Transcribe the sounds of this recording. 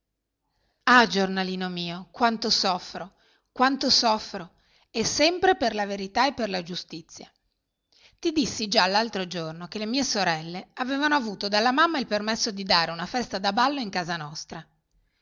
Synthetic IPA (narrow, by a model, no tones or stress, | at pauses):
ad͡ʒornaliːnomiːokwant̪osɔfːɾo | kwant̪osɔfːɾo | esːɛmpɾeperlaveɾit̪aepːerlad͡ʒust̪it̪sːja | t̪id̪isːid͡ʒalːalt̪ɾod͡ʒornokelemiːesoɾɛlːeaveːvanoavuːt̪od̪alːamamːailpermesːod̪id̪aːɾeunafɛst̪ad̪abalːoiŋkaːzanɔst̪ɾa